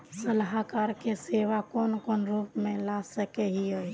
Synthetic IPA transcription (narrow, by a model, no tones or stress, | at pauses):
səlɦakaɾkeseʋakonkonɾupmẽlasəkeɦiəj